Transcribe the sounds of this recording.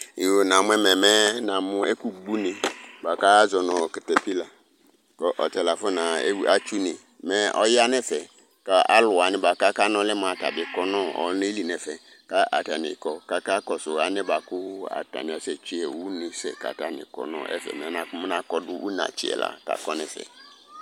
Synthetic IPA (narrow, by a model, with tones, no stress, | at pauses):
i˨wo˨nã˨mʊ̃˦ɛ˦mɛ̃˨mɛ˦nã˨mʊ̃˦e˦ku˨ɡ͡bu˦nɪ̃˨ba˨ka˦zɔ˨nɔ˨kɪ˨tɛ˨pi˦la˨ | kɔ˨ʔɔ˨t͡ʃɛ˨la˨fʊ˦nã˨˦a˦t͡ʃu˦nɪ̃˨ | mɛ˦ʔɔ̰˦ja˦nɛ̃˦fɛ˨ | ka˦a̰˦lʊ˨a˨nɪ̃˦ba˨ka˦ka˦nɔ̃˦lɪ˦m˦˨a˨ta̰˨dɪ˨kɔ˦nɔ̃˦ɔ̰˨˦ne˦li˨nɛ̃˨fɛ˨ | ka˦ʔa̰˨ta˨nɪ̰˨kɔ˨ka˨ka˦kɔ˨sʊ˨a˨nɪ̃˦ba˨kʊ˦a̰˨ta̰˨nɪ̃˨a˨sɛ˨t͡ʃi˨˦ɛ˨wu˦nɪ̃˨sɛ̰˨ka̰˨ta˨nɪ̰˨kɔ̰˨nɔ̰̃˦˨ʔɛ̰˦fɛ̰˨mɛ̃˨˦nã˨kʊ˦m˦nã˨kɔ˦dʊ˦ʔṵ˦nã̰˨t͡ʃɪ̰˨ɛ̰˨la̰˨ka̰˨kɔ˦nɪ̃˨fɛ̰˨